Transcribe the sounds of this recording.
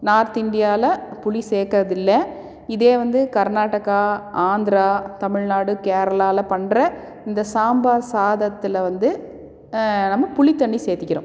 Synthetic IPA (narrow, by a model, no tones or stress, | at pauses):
naːɾt̪ɪnd̪ɪjaːlɐpʊɭiseːkɪɾɐðɪlːɐ | ɪðeːʋɐnd̪ɯkɐɾnaːʈːɐkaaːnd̪ɾaːt̪ɐmɪɻnaːɽɯkeːɾɐlaːlɐpɐɳɾɐ | ɪnd̪ɐsaːmbaːɾsaːðɐt̪ːɪlɐʋɐnd̪ɯ | nɐmːɐpʊɭɪt̪ːɐɳːiseːt̪ɪkʲːɪɾõ̰ː